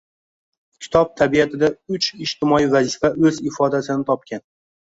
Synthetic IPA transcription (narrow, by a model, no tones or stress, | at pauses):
kʲʰɪ̥t̪ʰɒb̚t̪ʰabiat̪ʰɪd̪aʊt͡ʃʰɪd͡ʒt̪ʰɪmɒivazɪfaʔɵzɪfɒd̪asɪnɪt̪ʰɒp̚kʲʰan